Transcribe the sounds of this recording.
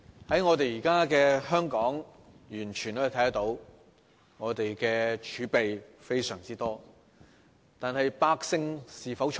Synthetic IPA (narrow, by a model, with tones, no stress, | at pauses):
hɐ˨˥jŋɔː˨˧t̪e˨jiː˨˩kaː˥kɛː˧hœː˥ŋkɔː˨˥ŋ | jyː˨˩nt͡ʃʰyː˨˩nɔ˨˧˥t̪ʰjɐ˥t̪o˨˥w | ŋɔː˨˧t̪e˨jkɛː˧t͡ʃʰyː˨˥pe˨jfe˥jsœː˨˩ŋt͡siː˥t̪ɔː˥ | t̪aː˨nhɐ˨jpaː˧k̚sɪ˧ŋsiː˨fɐ˨˥wt͡ʃʰ